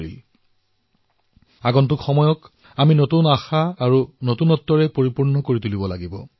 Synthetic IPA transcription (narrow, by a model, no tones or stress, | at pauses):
ḭl | aɡɔntukxɔmɔjɔk | aminotunaxaːɹunotunɔtːɔɹɛpoɹipuɹnɔkoɹitulibɔlaɡibɔ̰